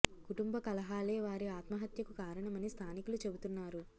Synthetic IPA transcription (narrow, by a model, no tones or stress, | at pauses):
kuʈumbɐkɐlɐɦaːleːʋaːɾiaːt̪mɐɦɐt̪jɐkukaːɾɐɳɐmɐnist̪ʰaːnikulut͡ʃe̞but̪unːaːɾu